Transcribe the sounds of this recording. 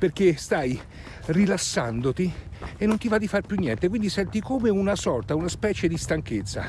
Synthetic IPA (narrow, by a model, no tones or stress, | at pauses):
perk̟est̪aj | rilasːand̪ot̪ienːont̪ivad̪ifarpjunːjɛnt̪ekwind̪isɛnt̪ikomeunasɔrt̪aunaspɛːt͡ʃed̪ist̪aŋk̟et̪sːa̰